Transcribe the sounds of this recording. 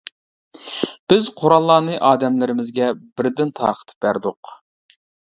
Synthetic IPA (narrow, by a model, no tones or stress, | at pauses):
b̥ɪz̥qʰoɾɑlˠːɑːnɨʔɑːd̪ɛmlɪɾɪmɪzɡʲɛbɪɾd̪ɪnt̪ʰɑ̰ɾqʰə̥t̪ʰɨ̥p̚bæɾd̪ʊq